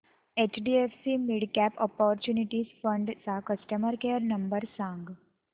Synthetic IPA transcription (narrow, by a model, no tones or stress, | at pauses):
et͡ɕɖiefsimiɽkɛpɔpɔɾt͡ɕjuːniʈiːzfəɳɖt͡sakəsʈəməɾkejəɾnəmbəɾsãŋɡ